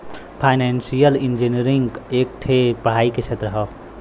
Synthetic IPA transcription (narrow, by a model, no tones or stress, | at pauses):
pʰajnensijəlind͡ʒiniɾiŋɡek̚ʈʰepəɽ̤aiket͡ʃʰet̪ɾəɦə